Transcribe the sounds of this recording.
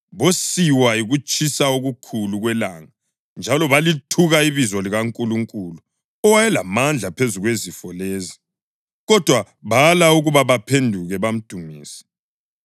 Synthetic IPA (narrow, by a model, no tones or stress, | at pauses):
βosiwaiɣut͡ʃʼisaoɣukʰuluɣwɛlaŋa | nd͡ʒʱalɔβalitʰuɣaiβizɔliɣaŋkʼuluŋkʼulu | ɔwajɛlamand͡ɮʱapʰezuɣwezifɔleːzi | ɣɔd̥ʱwa | βalauɣuβaβapʰendʱuɣɛβam̩d̥ʱumiːsɛ̥